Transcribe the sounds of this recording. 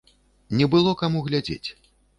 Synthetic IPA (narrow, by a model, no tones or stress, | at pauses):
nʲɛbɨlˠɔkamuɣlʲad͡zʲḛt͡sʲ